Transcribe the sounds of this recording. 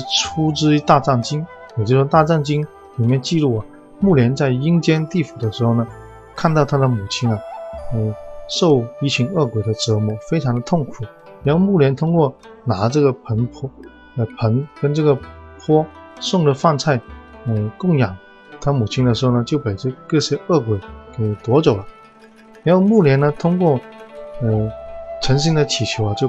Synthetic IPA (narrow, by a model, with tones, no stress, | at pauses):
ʈ͡ʂʰu˥ʈ͡ʂɻ̩˥i˧˥t̪a˥˧ʈ͡ʂɑ˥˩ŋt͡ɕi˥ŋ | jo˨˩t͡ɕjo˥˧ʊʂɔ˥t̪a˥˧ʈ͡ʂɑ˥˩ŋt͡ɕi˥ŋ | li˨˩mjɛ˥˧nt͡ɕi˥˧lu˥˩ɐ˨˩ | mu˥˩ljɛ˧˥nt͡sa˥˩ɪi˥ŋt͡ɕjɛ˥nt̪i˥˩fu˨˩d̪ə˦ʂɻ̩˧˥xo˥˩ʊnə˩ | kʰa˥˧nt̪ɑ˥˩ʊt̪ʰa˥d̪ə˨˩mu˨˩t͡ɕʰi˥ŋɐ˨ə˧˩ʂo˥˩˧ʊi˧˥˩t͡ɕʰi˧˥ŋɤ˥˩kwe˨˩ɪd̪ə˦ʈ͡ʂɤ˧˥mu˧˩fe˥ɪʈ͡ʂʰɑ˧˥ŋd̪ə˧t̪ʰʊ˥˩ŋkʰu˨˩˦ | i˧˥o˥˧mu˥˩ljɛ˧˥nt̪ʰʊ˥ŋkwɔ˥˩ | na˧˥ʈ͡ʂɤ˥˩ɡə˩pʰə˧˥npʰɔ˥ | ə˧pʰə˧˥nkə˥nʈ͡ʂɤ˥˩ɡə˩pʰwɔ˥sʊ˥˩ŋd̪ə˩fa˥˧nt͡sʰa˥˩ɪə˧˩kʊ˥˩ŋjɑ˨˩˦ŋ | t̪ʰa˥mu˨˩t͡ɕʰi˥nd̪ə˨ʂɻ̩˧˥xo˥˩ʊnə˩t͡ɕjo˥˩ʊpe˨˩ɪʈ͡ʂɤ˥˧kɤ˥˧˩ɕjɛ˥ɤ˥˩kwe˨˩ɪke˨˩ɪt̪wɔ˧˥t͡so˨˩ʊlɐ˦ | ɻa˧˥nxo˥˧mu˥˩ljɛ˧˥nə˧t̪ʰʊ˥ŋkwɔ˥˩ə˥˧ʈ͡ʂʰə˧˥nɕ̬i˥ŋd̪ə˨t͡ɕʰi˨˩t͡ɕʰjo˧˥ʊɐ˧t͡ɕjo˥˩ʊ